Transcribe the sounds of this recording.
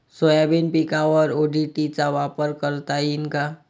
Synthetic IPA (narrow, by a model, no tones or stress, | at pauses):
sojabenpikaʋəɾoɖiʈit͡saʋapəɾkəɾt̪ainka